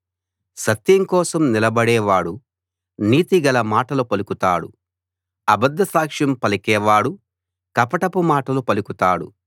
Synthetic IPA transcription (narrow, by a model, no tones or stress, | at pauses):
sɐt̪jɐŋkɔːsɐmnilɐbɐɽɛːʋaːɽu | niːt̪iɡɐlɐmaːʈɐlupɐlukut̪aːɽṵ | ɐbɐd̪ːɐsaːkʂjɐmpɐlɐkɛːʋaːɽu | kɐpɐʈɐpumaːʈɐlupɐlukut̪aːɽṵ